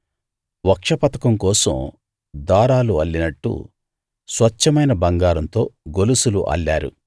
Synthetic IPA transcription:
ʋɐkʂɐpɐt̪ɐkɐmkɔːsɐ̰m | d̪aːɾaːluɐlːinɐʈːṵ | sʋɐt͡ʃːɐmɐjnɐbɐŋɡaːɾɐnt̪o̞ːɡolusulṵʔɐ̰lːaːɾṵ

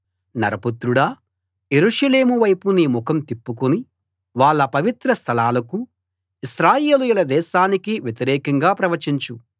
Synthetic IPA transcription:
nɐɾɐput̪ɾuɽɐ | je̞ɾuʂɐle̞ːmuʋɐjpunimukʰɐmt̪ipːuk̬uni | ʋaːɭːɐpɐʋit̪ɾɐst̪ʰɐlaːlɐku | isɾaːjeːlujulɐd̪ɛːʃaːnikiʋjet̪iɾɛːkɐŋɡaːpɾɐʋɐɾt͡ʃiɲt͡ʃu

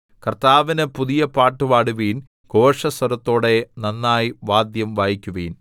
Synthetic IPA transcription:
kɐrt̪aːʋinɨpuðijɐpaːʈːuʋaːɽuʋiːn | ɡo̞ːʂɐsɐɾɐt̪ːo̞ːɽe̞nɐnːaːjiʋaːd̪jɐmʋaːjikʲːuʋḭːn

